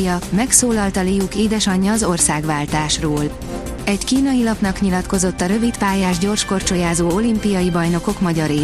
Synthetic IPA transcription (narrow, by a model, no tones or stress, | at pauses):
jɒmɛksoːlɒlt̪ɒleːjukeːd̪ɛʃɒɲːɒːzo̞rsaːɡʋaːlt̪aːʃroːl | ɛckiːnɒjilɒpnɒkɲilɒt̪ko̞zo̞t̪ːɒɾø̞vit̪paːjaːʒɟo̞rʃko̞rt͡ʃo̞jaːzoːo̞limpijɒjibɒjno̞ko̞kmɒɟɒɾeː